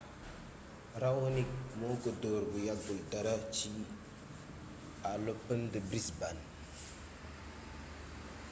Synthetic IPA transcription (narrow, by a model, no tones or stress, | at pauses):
ɾawonik̚moɡədoɾbujaɡuldaɾat͡ʃi | alopːəndəbɾisban